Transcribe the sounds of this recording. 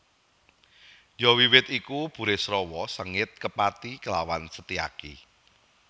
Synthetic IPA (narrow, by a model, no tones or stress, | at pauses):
jɔwiwɪt̪ikub̥ṳɾesɾɔwɔsəŋɪt̪̚kəpat̪ikəlawansət̪ia̰kḭ